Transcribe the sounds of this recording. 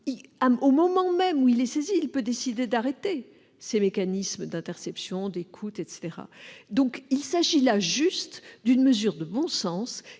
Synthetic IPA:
iaomɔmɑ̃mɛmuilɛseziːlpød̪esid̪ed̪aʁet̪e | semekanisməd̪ɛ̃t̪ɛʁsɛpsjɔ̃d̪ekʰut̪ɛt̪se̥t̪eʁa̰d̪ɔ̃kilsaʒilaʒyst̪d̪ynməzyʁd̪əbɔ̃sɑ̃s

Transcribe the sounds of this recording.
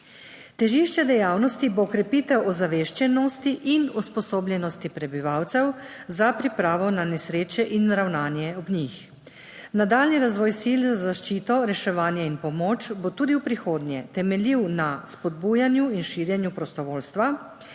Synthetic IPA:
t̪ɛʒiʃt͡ʃɛd̪ɛjaːwnɔst̪iboːkɾɛpit̪ɛwɔzaʋeːʃt͡ʃɛnɔst̪iʔinuspɔsoːbljɛnɔst̪ipɾɛbiʋawt̪sɛw | zapɾipɾaːʋɔnanɛsɾeːt͡ʃɛʔinɾawnaːnjɛɔbnix | nad̪aːlniɾazʋɔːjsilzazaʃt͡ʃiːt̪ɔɾɛʃɛʋaːnjɛinpɔmoːt͡ʃbot̪uːd̪iwpɾixoːd̪nʲjɛt̪ɛmɛliwnaspɔd̪̚bujanjuinʃiɾjɛnjupɾɔst̪ɔʋoːlst̪ʋa

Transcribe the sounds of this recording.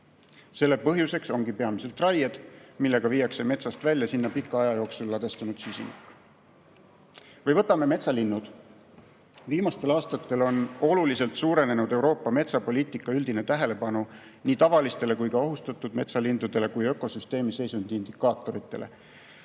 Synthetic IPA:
se̞lːe̞pɤɦjuse̞kso̞ŋɡ̥ipe̞ɑmise̞lt̪rɑjed̪̥milːe̞ɡ̥ɑvijːɑkse̞me̞t̪sɑst̪vælʲjɑsinːɑpikːˑɑɑjɑjo̞ːksulːɑd̪̥e̞st̪unud̪̥sysʲḭnikːˑ | vɤjvɤ̞t̪ːˑɑme̞me̞t̪sɑlinːud̪̥ | viːmɑst̪e̞lɑːst̪ɑt̪ːe̞lo̞no̞lulise̞lt̪suːɾe̞ne̞nud̪e̞wɾo̞ːpːɑme̞t̪sɑpo̞lʲiːt̪ˑikːˑɑyld̪̥ine̞t̪æɦe̞le̞pɑnu | niːt̪ɑvɑlist̪e̞le̞kujkɑo̞ɦust̪ɑt̪ːˑud̪̥me̞t̪sɑlind̪ud̪e̞le̞kujø̞ko̞syst̪e̞ːmise̞jsund̪̥ind̪̥ikːˑɑːt̪ːˑo̞ɾit̪ːˑe̞lḛ

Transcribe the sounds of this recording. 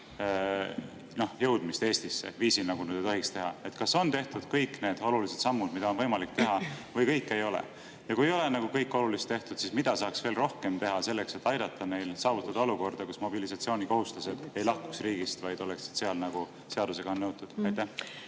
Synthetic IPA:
no̞hjɤwd̪̥mist̪e̞ːsʲt̪isːḛviːsinɑɡ̥unyːd̪ejt̪o̞ɦikst̪e̞ɦɑ̰e̞t̪kɑso̞nt̪e̞ht̪ud̪̥kɤjkːˑne̞ːd̪̥o̞lulise̞d̪̥sɑmːud̪mid̪ɑonvɤjmɑlik̚t̪e̞ɦɑvɤjkɤjkːe̞jo̞lḛ | jɑkujejo̞lenɑɡ̥ukɤjkːˑo̞lulist̪e̞ht̪ud̪sismid̪̥ɑsɑːksv̥e̞ːlro̞hke̞mt̪e̞ɦɑse̞lːekse̞t̪ːˑɑjd̪ɑt̪ʰːɑne̞jlsɑːvut̪ːˑɑd̪̥ɑoluko̞rd̪̥ɑkusmo̞bilisɑt̪sio̞ːnʲiko̞ɦust̪luse̞d̪̥e̞jlɑhku̥ksriːɡ̥ist̪vɑjd̪̥o̞lekst̪se̞ɑlnɑɡ̥u | se̞ɑd̪use̞ɡ̥ɑonːɤwt̪ːˑud̪̥ɑjt̪ːæh

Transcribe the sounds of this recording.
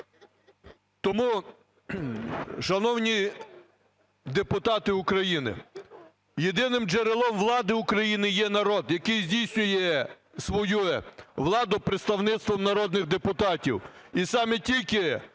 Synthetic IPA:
t̪ɔmu | ʃɐnɔwnʲi | d̪epʊt̪ɑt̪ɪʊkɾɐjinɪ̰ | jed̪ɪnɪmd͡ʒeɾelˠɔmʋlˠɑd̪ɪʊkɾɐjinɪjɛnɐɾɔd̪jɐkɪjzʲdʲijsʲnʲʊjɛ | sʋɔjuʋlˠɑd̪ʊpɾɪt̪st̪ɐwnɪt̪st̪ʋɔmnɐɾɔd̪nɪɣd̪epʊt̪ɑtʲiwisɑmɛtʲilʲkɪ

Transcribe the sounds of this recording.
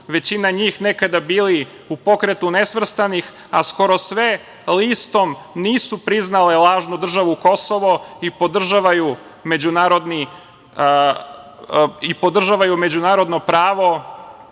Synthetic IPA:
ʋe̞t͡ɕinaɲiːxne̞kad̪abiːli | upo̞kɾet̪unesʋr̩st̪anix | a̰sko̞ɾo̞sʋe̞ | list̪o̞mniːsupɾiznalelˠaːʒnud̪r̩ʒaʋuko̞soʋo̞ipo̞d̪r̩ʒaʋaju | me̞d͡ʑunaːɾo̞d̪ni | ipo̞d̪r̩ʒaʋajume̞d͡ʑunaːɾo̞d̪no̞pɾaːʋo̞

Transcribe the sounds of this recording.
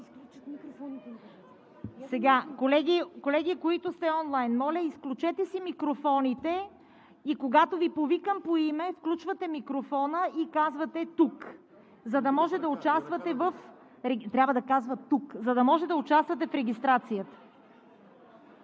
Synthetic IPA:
sɛɡakolɛɡ̟ikolɛɡikoit̪ʊst̪ɛɔnlˠajnmɔlʲɐisklʲut͡ʃɛt̪ɛsimikɾofɔnit̪ɛ | ikoɡat̪ovipovikəmpoimɛfklʲut͡ʃvɐt̪ɛmikɾofɔnəʔikazvɐt̪ɛt̪uk | zɐd̪ɐmɔʒɛd̪ɐʊt͡ʃast̪vɐt̪ɛvəf | ɾɛt̪ɾʲabvəd̪ɐkazvət̪ːukzɐd̪ɐmɔʒɛtd̪ɐʊt͡ʃast̪vɐt̪ɛfɾɛɡ̟ist̪ɾat̪sijət̪ə̥

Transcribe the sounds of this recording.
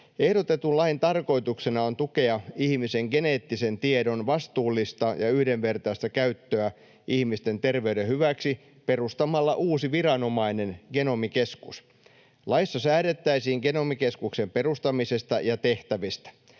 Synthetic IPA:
ehɾot̪et̪ulɑint̪ɑrko̞it̪uksenɑont̪uke̞ɑihmise̞ŋɡe̞neːt̪ːisent̪iedo̞nʋɑst̪uːlːist̪ɑjɑyhdenʋe̞rt̪ɑist̪ækæyt̪ːøæ | ʔihmist̪e̞nt̪e̞rʋe̞ydehyʋæksi | pe̞rust̪ɑmɑlːɑʔuːsiʋirɑno̞mɑine̞nɡ̥eno̞mikeskus | lɑisːɑsæːɾet̪ːæisiːŋɡenomikeskukse̞mperust̪ɑmisest̪ɑjɑt̪eht̪æʋist̪æ̥

